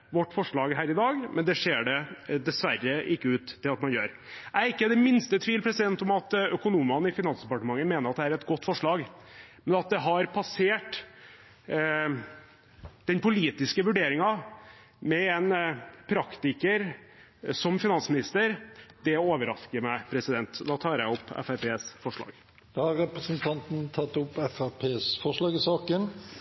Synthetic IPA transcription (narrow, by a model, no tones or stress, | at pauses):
ʋɔʈːfɔʂɭɑːɡɦæːɾɪd̪ɑːɡmʔɛnd̪ɛʂeːɖɛd̪ɛsʋæɾːəʔɪkːəʉːt̪ʰːɪlɑt̪mɑnjø̰ːɾ | æɾɪkːəd̪ɛmɪnst̪ət̪ʰʋiːlpʰɾɛsɪd̪ɛnt̪ɔmɑt̪œkʊnuːmɑnəɪfɪnɑnsd̪ɛpɑʈəmɑŋːəmeːnəɾɑt̪d̪ɛæɾɛt̪ɡɔt̪ːfɔʂɭɑːɡmɛnɑt̪̚d̪ɛɦɑɾpʰɑseːʈ | d̪̥ɛnpʊliːt̪ɪskəʋʉɖeːɾɪŋɑ | mɛɛnpʰɾɑkt̪ɪkəɾ | sɔmfɪnɑnsmɪnɪst̪əɾd̪̥ɛoːʋəɾɑskəɾmæɪpʰɾɛsɪd̪ɛnt̪d̪ɑːt̪ʰɑːɾjæɪɔpːɛ̰fæɾpeːsfɔʂɭɑ̰ːɡ | d̪̥ɑːhɑɾɾɛpɾəsənt̪ʰɑnt̪n̩t̪ʰɑt̪ːʊpːɛfæɾpʰeːsfɔʂɭɑːɡɪsɑːkən